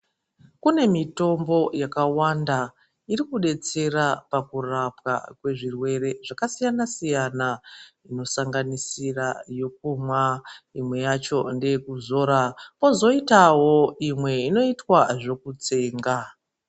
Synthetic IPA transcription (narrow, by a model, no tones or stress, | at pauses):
kune̞mito̞mbo̞jakawanda | irikuɗe̞t͡se̞rapakurapka̰kwe̞ʐirwe̞ɾe̞ʐ̥akasijanasijana | ino̞saŋɡanisirajo̞k̚umwaimwe̞jat͡ʃo̞nde̞jekuzo̞ːɾapo̞zo̞itaɦo̞imwe̞ino̞itwaʐo̞kut͡se̞ːŋɡa